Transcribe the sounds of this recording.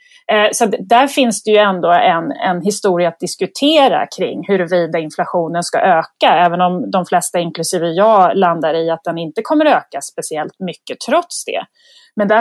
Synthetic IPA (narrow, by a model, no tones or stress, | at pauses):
sɔat̪d̪æɾfɪnsd̪ɛjɵɛnd̪oːɛnɛ̰nɦɪst̪uːɾɪat̪̚d̪ɪskɵt̪ʰeːɾa̰kʰɾɪ̰ŋːhɵɾɛviːd̪aɪnflaɧuːnənska̰ʔøːkaɛːvənɔmd̪ɔmflɛst̪aɪnklɵsiːvəjɑːland̪aɾɪat̪̚d̪ɛnɪnt̪əkʰɔmːəɾøːkaspɛsɪɛlt̪mʏkːət̪ʰɾɔt̪sd̪ɛ̰ː | mɛnd̪æ